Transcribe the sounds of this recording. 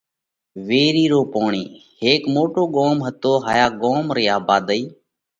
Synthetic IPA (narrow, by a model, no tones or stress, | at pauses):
ʋeːɾiːɾoːpoːɳḭːheːkmoːʈoːɠoːmɦət̪oːɦaːjaːɠoːmɾəjaːbaːd̪əiː